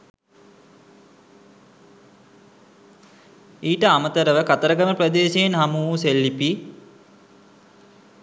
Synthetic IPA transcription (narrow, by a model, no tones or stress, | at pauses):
iːʈəamət̪əɾəʋəkat̪əɾəɡəməprəd̪eːʃeːnɦamuːuselːipi